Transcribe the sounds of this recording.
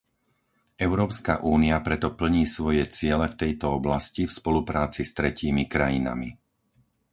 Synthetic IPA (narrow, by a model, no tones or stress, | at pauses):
ʔɛʊɾɔːpska̰ʔuːniapɾɛt̪ɔpl̩ɲiːsʋɔjɛt͡sɪɛlɛft̪ɛjt̪ɔɔblascifspɔlupɾaːt͡sist̪ɾɛciːmikɾajina̰mi